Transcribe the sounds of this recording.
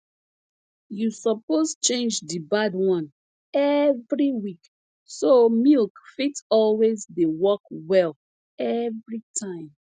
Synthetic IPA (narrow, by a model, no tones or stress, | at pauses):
jusɔpost͡ʃẽnd͡ʒdibadwɔ̃n | ɛvɹiwik | somilkfitɔlwezdewɔkwɛl | ɛvɹitʰãɪ̃m